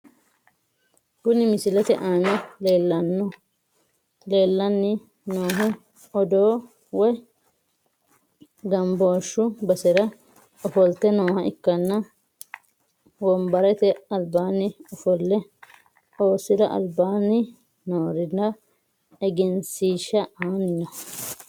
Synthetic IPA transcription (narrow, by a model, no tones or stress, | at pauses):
ɡʊnɪmɪsɪlɛt̪ɛʔaːnɛleːlːɐnːɔ | leːlːɐnːɪ | noːɦɛ | ɔd̪oː | wɔ | ɡɐmboːʃːʊbɐsɪɾɐ | ɔfɔlt̪ːɛnoːhɐʔɪkːɐnːɐ | wɔmbɐɾɛt̪ɛɐlbaːnɪʊfɔlːɛ | oːsɪɾɐʔɐ̰lbaːnɪ | noːɾɪd̪ɐ | ɛɡɪnsiːʃːɐʔaːnːɔ